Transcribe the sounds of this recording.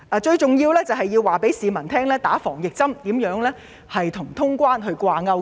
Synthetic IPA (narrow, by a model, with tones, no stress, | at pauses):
ʔɐː˨t͡ʃɵ˧ɥt͡sʊ˨ŋjiː˧wlɛː˥t͡sɐ˨wɦɐ˨jːiː˧waː˨˩pe˨˥jsiː˨mɐ˨˩nt̪ʰɛː˥ŋlɛː˥t̪aː˨˥fɔː˨˩ŋjɪ˨k̚t͡sɐ˥mt̪iː˨˥mjœː˨˥ŋlɛː˥ | hɐ˨jt̪ʰʊ˨˩ŋt̪ʰʊ˥ŋkʷwaː˥nɦɵ˧ɥkʷaː˧ŋɐ˧w